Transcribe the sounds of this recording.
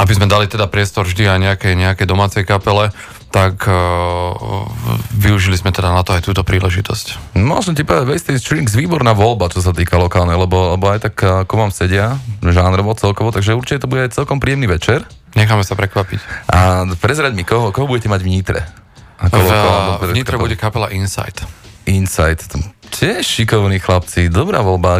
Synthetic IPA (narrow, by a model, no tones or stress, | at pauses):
ʔabizmɛd̪alit̪ɛd̪apɾɪɛst̪ɔɾvʒd̪iajɲɛakɛjɲɛakɛjd̪ɔmaːt͡sɛjkapɛlɛ | t̪ak | ʋiuʒilizmɛt̪ɛd̪anat̪ɔajt̪uːt̪ɔpɾiːlɛʒit̪ɔscmɔ̰lʒɛmcipɔʋɛd̪aɟʋɛjst̪isʃɾiːŋɡzʋiːbɔɾnaːʋɔlbat͡ʃɔs̬at̪iːkalɔkaːlnɛjlɛbɔlɛbɔajt̪akkuʋaːmsɛɟɪaʒaːnɾɔʋɔt͡sɛlkɔʋɔt̪aɡʒɛuɾt͡ʃicɛt̪ɔbuɟɛajt͡sɛlkɔmpɾiːɛmniʋɛt͡ʃɛɾ | ɲɛxaːmɛsapɾɛkʋapicʔapɾɛzɾaɟmikɔɦɔkɔɦɔbuɟɛcɛmaɟʋɲit̪ɾɛ̰ | akɔlɔkalɔɾɛɲit̪ɾɛbuɟɛkapɛlaʔinsa̰jt̪ʔinsajt̪cʰɪɛʃʃikɔʊniːxlap̚t͡sid̪ɔbɾa̰ːʋɔlba